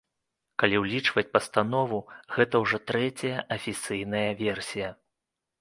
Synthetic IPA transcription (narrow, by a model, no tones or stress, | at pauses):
kalʲiwlʲit͡ʂvɐt͡sʲpɐst̪an̪ɔvuɣɛt̪ɐwʐɔt̪ɾɛt͡sʲɐjɐʔɐfʲit̪sɨjnɐjɐvʲɛrsʲijɐ